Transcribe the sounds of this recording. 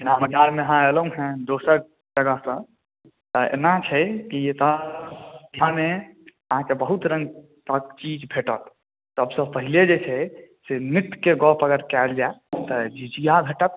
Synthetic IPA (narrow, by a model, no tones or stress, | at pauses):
inaməd̪aɾmeəɦãelũɦɛ̃d̪osəɾ | d͡ʒəɡəsə̃ | t̪ɔḛnat͡ʃʰɛkiet̪ɔ | d̪ʱjãmeəɦãkebəɦut̪ɾə̃ŋɡ | t̪ək̚t͡ʃid͡ʒbʱeʈət̪ | t̪əbsə̃pəɦiled͡ʒet͡ʃʰɛsemit̪keɡɔpʰəɡəɾkɛld͡ʒat̪ɔd͡ʒid͡ʒijabʱeʈət̪̚